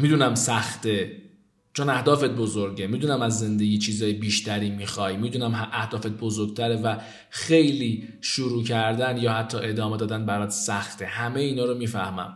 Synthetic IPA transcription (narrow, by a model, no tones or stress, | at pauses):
miːd̪uːnæmsæxt̪ʰe̞ | t͡ʃʰonæhd̪ɒːfe̞t̪̚bozoɾɟe̞mid̪uːnæmæzːe̞nd̪eɡʲiːt͡ʃʰiːzɒːjebiːʃt̪ʰæɾiːmixɒːjmid̪uːnæmɦæhd̪ɒːfe̞t̪̚bo̞zoɾɡ̚t̪ʰæɾe̞væ | xe̞jliːʃuɾuːcʰæɾd̪ænjɒːhæt̪ʰːɒːʔe̞d̪ɒːme̞d̪ɒːd̪ænbæɾɒːt̪sæxt̪ʰehæme̞jiːnɒːɾomiːfæhmæ̰m